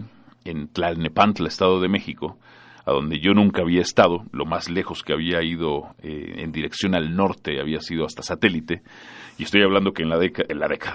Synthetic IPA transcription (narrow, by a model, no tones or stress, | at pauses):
ent̪lalnepant̪laest̪aðo̞ð̞e̞me̞xiko̞ | a̰ðo̞̰nd̪e̞ʝo̞nũŋkaːβ̞iaest̪aðo̞lo̞mazle̞xo̞skeaβiaiðo̞ḛḛnd̪iɾe̞ksjo̞nalno̞ɾt̪e̞aβiasiðoast̪asat̪e̞lit̪e̞ | ie̞st̪o̞jaβland̪o̞kenaenlaðe̞kaða